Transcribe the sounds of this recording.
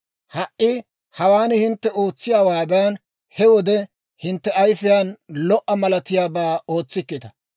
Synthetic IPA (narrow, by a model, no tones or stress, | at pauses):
hɐʔʔːɪ | hɐwaːnhɪnt̪ːɛʔo̞ːt͡sːɪjaːwaːd̪ɐn | hɛwɔd̪ɛ | hɪnt̪ːɛɐjfɪjaːnlɔʔːɐmɐlɐt̪ɪjaːbaːo̞ːt͡sːɪkːɪt̪ɐ̥